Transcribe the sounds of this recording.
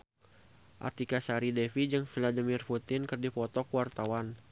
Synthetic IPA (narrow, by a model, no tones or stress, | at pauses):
ʔa̰rt̪ikasaɾidɛfid͡ʒɨŋfiladimirfut̪ɪnkərdipɔt̪ɔkwart̪awan